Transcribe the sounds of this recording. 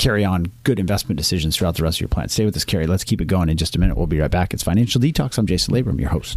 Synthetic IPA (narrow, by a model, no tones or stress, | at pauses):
kʰɛɹiə̃nɡ̥ʊɾɨ̃ɱvɛstmn̩d̥ɨsɪʒɨ̃nz̥θɹuaʊt̪̚ðəɹɛstʌvjə̰˞pʰl̥æ̰̃nsteɪwɨðɪskʰɛɹilətskʰipɨt̚ɡ̥oʊɪ̃ŋɨ̃nd͡ʒʌstəmɪ̃nɨ̰ʔ̚wḭlˠbiɹaɪt̚b̥ækɨtsfaɪ̃næ̃nʃl̩ˠditʰɔksãmd͡ʒeɪsnʔleɪbə˞ʌ̰̃mjə̰˞hoʊst